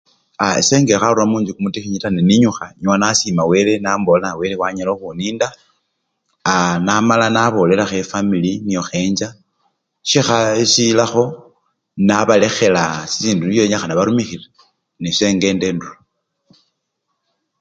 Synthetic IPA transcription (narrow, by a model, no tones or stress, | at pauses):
a̰seːŋɡexaɾuramuːɲd͡ʒikumutixiɲitaneniɲuxaɲwanasimawe̞lenambolanawe̞lewaɲaloxuniːnda | anamalanaβo̞le̞laxefamilinijo̞xe̞ːɲd͡ʒa | ʃixasilaxo̞ | naβale̞xe̞lasi̥siːnduijoɲaxanaβaɾumixile | nise̞ːŋɡe̞ːndeːndulo